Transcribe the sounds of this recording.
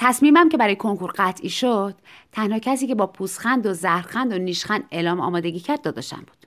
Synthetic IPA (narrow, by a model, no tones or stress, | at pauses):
t̪ʰæsmiːmæmce̞bæɾɒːjekʰo̞ŋkʰuɾɢæt̪ʰʔiːʃod̪̥t̪ʰænhɒːcʰæsiːcʰe̞bɒːpʰuːsxænd̪ozæhɾxænd̪oniːʃxænd̪elɒːmɒ̰ːmɒːd̪e̞ɟiːcʰæɾd̪ːɒːd̪ɒːʃt̪æ̰mbu̥ːd̪̥